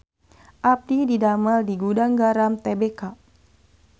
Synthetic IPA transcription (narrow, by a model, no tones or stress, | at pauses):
ʔap̚dididamaldiɡudaŋɡaɾamt̪ebeka